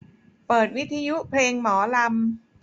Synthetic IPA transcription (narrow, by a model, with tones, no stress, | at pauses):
pɤː˨˩t̪̚wi˦˥t̪ʰːaː˧ju˦˥pʰleː˧ŋmɔː˩˦la˧m